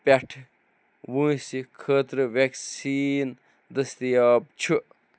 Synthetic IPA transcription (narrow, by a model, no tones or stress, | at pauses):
pʲeʈʰ | ʋũːsikʰəːt̪ɾɨʋeksiːn | d̪əst̪ijaːb̚t͡ʃʰu